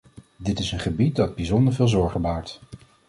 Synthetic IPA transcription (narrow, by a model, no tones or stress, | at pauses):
dɪtɪsənχəbit̚dɑd̚bizɔndəɹvɪːlˠzɔɹχəbaːɹt